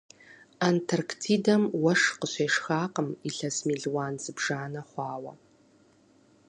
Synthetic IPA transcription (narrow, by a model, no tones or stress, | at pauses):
antʰɐrkʰtʰiːdɐmwɐʂqəɕʷeːʂxaːqəmiɬɐsmiːɮwaːnzɨbʐ̥aːnɐχʷɑːwɐ̰